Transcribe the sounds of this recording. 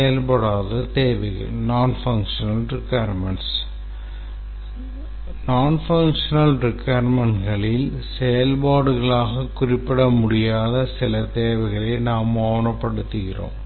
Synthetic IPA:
jɐlpɐɽaːðɐt̪eːʋɐɪɣɐ̰ɭnaːnfɐŋkʂɐnɐlrɪkːɐjɾmɐɳʈs | naːnfɐŋkʂɐnɐlɾɪkːɐːɾmɐɳɡɐɭɪl | sɛjɐlbaːɽɯɣɐɭaːɣɐkʊrɪpːɪɽɐmʊɽɪjaːðɐsɪlɐt̪eːʋɐɪɣɐɭɐɪnaːmoːɳɐpːɐɽɯt̪ːɯɣɪro̰ːm

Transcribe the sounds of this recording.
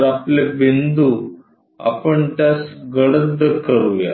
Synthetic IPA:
ɾaplebind̪u | a̰pəɳt̪jasɡəɽəd̪əkəɾuja̰

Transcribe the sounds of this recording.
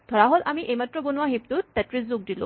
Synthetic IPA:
t̪ʰɔɾaɦɔlamiʔemat̪ɾɔbonʋaɦipt̪ut̪ːat̪ɾisd͡zuk̚d̪ilo̰

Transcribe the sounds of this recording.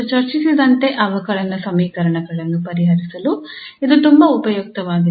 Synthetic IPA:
t͡ʃɐɾt͡ʃisid̪ɐnt̪e̞ʔɐʋɐkɐɭɐnɐsɐmiːkɐɾɐɳɐɡɐɭɐnːupɐɾiɦɐɾisɐlu | id̪ut̪umbɐupɐjuk̚t̪ɐʋaːɡi

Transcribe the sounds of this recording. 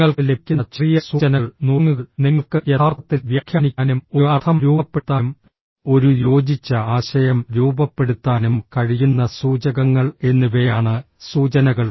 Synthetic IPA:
ŋːɐɭkɨlekʲːunt͡ɕrijɐsuːɐnɐɭnuːŋːuɣɐɭniŋːɐɭkɨjet̪ʰaːrɐt̪ːilʋjɐkʰjɐnikʲːaːnumoɐt̪ʰɐmɾuːɐpːet̪ːaːm | o̞ɾujo̞ːd͡ʑit͡ɕːɐaːɕɐjɐmɾuːbɐpːe̞ɽut̪ːaːnumkɐɻijunːɐsuːd͡ʑɐɣɐŋːɐɭe̞nːuʋeaːɳɨ | suːt͡ɕɐnɐɣɐɭ

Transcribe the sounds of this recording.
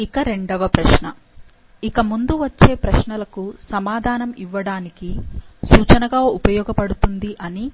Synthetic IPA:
ikɐɾe̞ɳɖɐʋɐpɾɐʃɳɐ | ikɐmund̪uʋɐt͡ʃːe̞ːpɾɐʃɳɐlɐkusɐmaːd̪ʱaːnɐmiʋːɐɽaːnikisuːt͡ʃɐnɐɡaːupɐjɔːɡɐpɐɽut̪und̪iʔɐni

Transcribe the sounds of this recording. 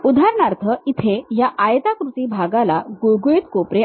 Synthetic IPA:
ud̪ʱaɾɳaɾt̪ʰəit̪ʰejaʔajt̪akɾut̪iːbʱaɡalaɡojɡoit̪kopɾe

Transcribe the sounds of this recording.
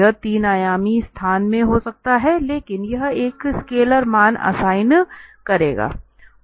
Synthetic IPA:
ət̪iːnaːjaːmist̪ʰaːnmẽɦosɐk̚t̪aɦɛleːkɪnjɐɦeːkɪskeːləɾmaːnɐ̰saːɪnkɐɾeːɡa̰ː

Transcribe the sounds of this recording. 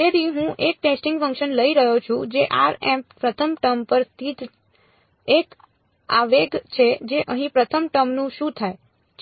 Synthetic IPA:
eɾiɦũʔek̚ʈesʈɪŋɡfə̃ŋkʃənləiɾəɦot͡ʃʰũd͡ʒeʔa̰ɾɛmpɾət̪ʰəmʈəmpəɾst̪ʰit̪ | ek | a̰ʋeɡt͡ʃʰed͡ʒeʔəɦĩpɾət̪ʰəmʈəmnũʃũt̪ʰae

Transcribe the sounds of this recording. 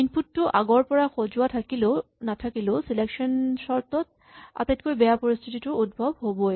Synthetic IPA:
inpʰutːʊʔaɡɔɹpɔɹaxozʊatʰakilenatʰakilesilekʃɔnsɔɹt̪ɔt̚ | a̰t̪etkojbɛjapoɹist̪ʰititʊud̚bʱɔbɦobɔjɛ

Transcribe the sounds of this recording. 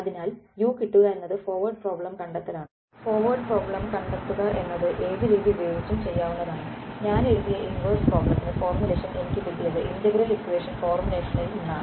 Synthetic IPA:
ɐðinaːljuːkiʈːuɣɐe̞nːɐðɨfo̞ːrʋɐrɖ̚pro̞ːbɭɐmkɐɳɖet̪ːɐðaːɳɨ | fo̞ːrʋɐrɖpro̞ːbɭɐmkɐɳɖet̪ːuɣɐʔe̞nːɐðɨʔe̞ːðɨɾiːðiubɐjo̞ːɡit͡ɕːumt͡ɕe̞jːaːʋunːɐðaːɳɨɲaːneɻuðijɐʔinʋɐrsproːblɐmt̪ːinefo̞ːrmjule̞ːʂɐne̞nikʲːipːikːilːɐðɨʔindɐɡɾɐlsit͡ɕːuʋe̞ːʂɐnko̞ːrmine̞ːʂɐniluɳːaː

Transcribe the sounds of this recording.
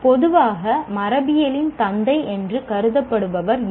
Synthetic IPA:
pɔðɯʋaːɣɐmɐɾɐbɪjɐlɪnt̪ɐnd̪ɐɪʔɛndrɯkɐɾɯðɐpːɐɽɯʋɐʋɐɾ

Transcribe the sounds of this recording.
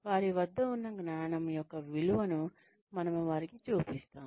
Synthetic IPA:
ʋaːɾiʋɐd̪ːɐunːɐɡnaːɳɐmɐjɔkːɐʋiluʋɐnu | mɐnɐmuʋaːɾikit͡ʃuːpist̪aːm

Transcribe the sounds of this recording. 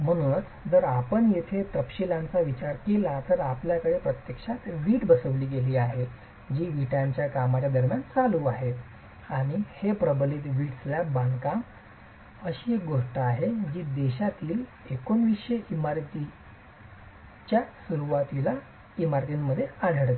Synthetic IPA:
m̤əɽ̃uːnt͡s | d͡zəɾapəɳjet̪ʰet̪ɾəpɕilãnt͡saʋit͡ɕaɾkelat̪əɾapljakəɽepɾət̪jəkʂat̪ʋiːʈbəsəʋliːɡeliːaɦe | d͡ʑiːʋiʈãɲt͡ɕjakamat͡ɕjad̪əɾmjant͡saluːaɦet̪ | aɽ̃ihepɾəbəliːt̪ʋiːʈsljabãnkam | əɕiːek̚ɡoʂʈəaɦed͡ʑiːd̪eɕat̪iːl | ekonʋiɕəimaɾt̪i | t͡ɕjasuɾuʋat̪ila | imaɾt̪inməd̪ʱːjead̪ʱəɽt̪

